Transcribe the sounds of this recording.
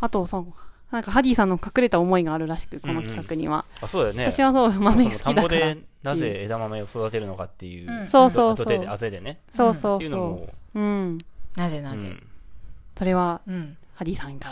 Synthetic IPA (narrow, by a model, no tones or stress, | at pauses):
at̪o̞sononãŋkaɦadʲiːsãnːokakɯ̟ɾe̞t̪aomo̞iɡaːɾɯ̟ɾaɕi̥kɯ̟ko̞no̞kʲi̥kakɯ̟ɲ̟ḭβa̰asoːd̪esnet̪aɕiβasoːmamesɨ̥t̪id̪adkd̪aeɾa | naze̞ed̪amameosod̪at̪e̞ɾɯno̞kat̪ːe̞jɯ̰ːso̞ːso̞ːsoeazed̪e̞ne | so̞ːso̞ːsoːɯ̟̃ɴnazenazḛ | so̞ɾe̞βahad̪ʲiːsãka